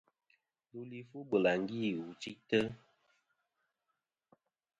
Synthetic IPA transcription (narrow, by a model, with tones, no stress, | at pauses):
lu˦li˦fu˦bə˨la˨ŋ˨ɡi˦˨u˨t͡ʃi˦tə˦